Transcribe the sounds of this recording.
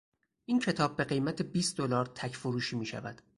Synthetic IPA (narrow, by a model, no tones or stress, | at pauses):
ʔiːncʰe̞t̪ʰɒːb̚ːe̞ɢe̞jmæt̪ʰe̞biːst̪d̪olɒːɾt̪ʰæcfoɾuːʃiːmiːʃæ̰væ̰d̪̥